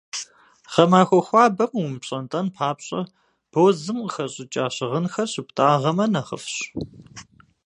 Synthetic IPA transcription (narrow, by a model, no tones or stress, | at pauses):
ʁɐmaːxʷɔxʷɑːbɐmwʊmpɕʼɐntʼɐnpʰaːpɕʼɐ̰ | b̥oːzɨmqəxɐɕʼɪt͡ʃʼaːɕɪʁənxɐrɕɪptʼaːʁɐmɐnɐχə̰fɕ